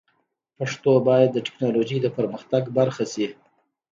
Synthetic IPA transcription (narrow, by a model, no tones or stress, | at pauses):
paʂt̪obɑjad̪ːəʈɪ̥knɑlod͡ʒijd̪əpəɾməxt̪aɡbaɾxasi